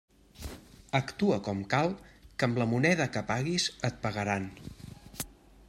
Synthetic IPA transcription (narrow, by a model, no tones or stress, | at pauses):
əkt̪uəkɔmkalˠkəmləmunɛðəkəpaɣizət̪̚pəɣəɾan